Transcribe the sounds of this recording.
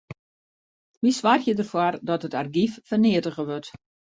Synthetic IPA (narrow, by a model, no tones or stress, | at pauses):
ʋisʋarjədərfwɔrdɔtətarɡiffərniətəɣəʋørt